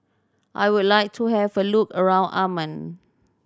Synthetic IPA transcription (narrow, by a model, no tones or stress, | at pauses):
ʔa̰jwudlajk̚tʰuhɛvəlukəɹãʊ̃nʔamə̃n